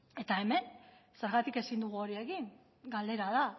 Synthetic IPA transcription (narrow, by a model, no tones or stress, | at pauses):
e̞t̪ae̞me̞nse̞ɾɣat̪ike̞sind̪uɣ̞uo̞ɾie̞ɣiŋ | ɡald̪e̞ɾaða